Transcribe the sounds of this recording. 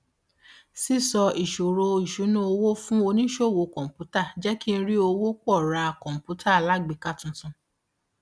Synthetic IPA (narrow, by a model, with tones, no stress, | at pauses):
si˦sɔ˧i˨ʃo˨ɾo˧i˨ʃu˨˦nũ˦o˧wo˦fũ˦o˧nĩ˦ʃo˦˨wo˧˦kɔ̃˨pu˨˦ta˦˨d͡ʒɛ˦ki˦˧n̩˧˦ɾi˦o˧wo˦kɔ˦˨ɾa˧kɔ̃˨m̩˨pu˨˦tʰa˦˨a˨la˨˦ɡ͡bi˨˧ka˦˨tũ˧tũ˧